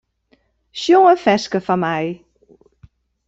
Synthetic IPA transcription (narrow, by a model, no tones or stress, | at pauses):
ʃjɔŋəfɛskəfamaj